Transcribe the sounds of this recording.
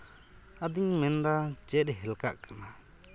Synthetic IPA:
ad̪iŋmɛnd̪ad͡ʒɛʔ̪̚ɦɛlkaʔkana

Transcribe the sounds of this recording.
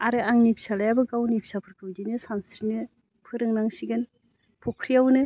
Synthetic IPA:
aɾɯaŋnipʰsalajabɯɡawnipʰsapʰɯɾkʰɯwdinɯsamsʰɾinɯ | pʰɯɾɯŋnaŋsiɡɯn | pʰokʰɾijawnɯ

